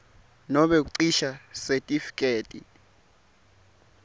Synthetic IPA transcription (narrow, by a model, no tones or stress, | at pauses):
nɔɓek̬uǀiʃasetʼifi̥kʼeːtʼḭ